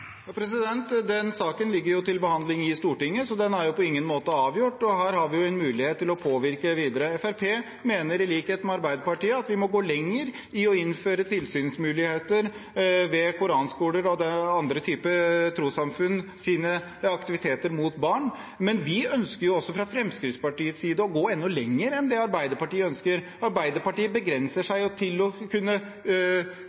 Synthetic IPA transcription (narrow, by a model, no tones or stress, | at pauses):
jɑpʰɾɛs̬ɪd̪ɛnt̪d̪ɛnsɑːkənlɪɡːəɾjʊt̪ɪlbəhɑnd̪lɪŋɪst̪uːʈɪŋːəsɔd̪ɛnæɾjʊpɔɪŋːənmoːt̪əɑːʋjʊʈːɔɦæːɾhɑɾʋɪjʊɛnmʉːlɪheːt̪ʰːɪlɔpʰoːʋɪɾkəʋiːd̪əɾəɛfæɾpʰeː | meːnəɾɪliːkheːt̪mɛɑɾbæɪd̪əpɑʈiːəɑt̪ʋɪmɔɡoːlɛŋːəɾ | ɪɔɪnːføːɾət̪ʰɪlsyːnsmʉːlɪheːt̪əɾ | ʋɛkʊɾɑːnskuːləɾɔd̪ɛɑnd̪ɾət̪ʰyːpət̪ʰɾuːsɑmfʉnːsiːnə | ɑkt̪ɪʋɪt̪ʰeːt̪əɾmut̪bɑːɳ | mɛnʋɪœnskəɾjʊɔsːɔfɾɑfɾɛmskɾɪt̪spɑʈiːət̪siːd̪əɔɡoːɛnːɔlɛŋːəɾɛnd̪ɛɑɾbæɪd̪əɾpɑʈiːəœnskəɾ | ɑɾbæɪd̪əɾpɑʈiːəbəɡɾɛnsəʂæɪɔt̪ʰɪlɔkʰʉnːə